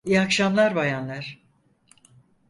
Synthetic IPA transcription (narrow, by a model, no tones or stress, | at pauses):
ijakʃamlˠaɾbajanlˠaɾ̥